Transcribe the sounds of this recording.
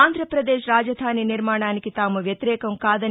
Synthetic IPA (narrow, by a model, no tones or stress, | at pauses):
aːnd̪ʱɾɐpɾɐd̪eːʃɾaːd͡ʒɐd̪ʱaːniniɾmaːɳaːnikit̪aːmuʋjɐt̪iɾɛːkɐmkaːd̪ɐ